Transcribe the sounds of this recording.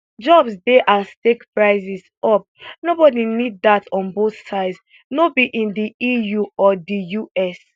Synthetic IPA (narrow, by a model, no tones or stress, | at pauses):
d͡ʒɔbsdeʔastekpɹaɪzis | ɔp̚nobɔdinid̚datɔ̃nboθsaɪds | nobiʔĩndiijuɔdijuɛs